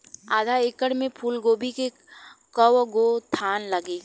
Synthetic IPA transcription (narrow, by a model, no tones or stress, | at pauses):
aːd̪ʱaeːkəɽmẽpʰuːlɡoːbʱike | kəwɡot̪ʰaːnləɡeːɡ